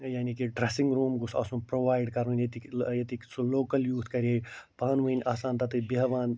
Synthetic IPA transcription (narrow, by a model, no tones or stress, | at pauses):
jaːnikiɖɾesĩŋɡɾuːmɡusa̰ːsũːpɾoːʋaːjɖkɐɾũnʲjet̪ijet̪iksuloːkɐljuːt̪ʰkɐɾiejpaːnʋuinʲʔaːsaːnt̪ɐt̪ɨbiɦɐʋaːn